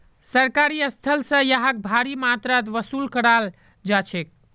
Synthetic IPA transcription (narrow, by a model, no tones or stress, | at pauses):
səɾkaɾiəst̪ʰəlsə̃jaɦak̚bʱaɾimat̪ɾat̪̬ʋəsulkəɽal | d͡ʒat͡ʃʰek̚